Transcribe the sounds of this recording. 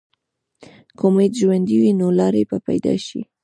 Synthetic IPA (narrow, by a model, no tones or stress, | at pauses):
komet̪ʒwand̪iwinolɑɾebapa̰jd̪ɑ̰ʃḭ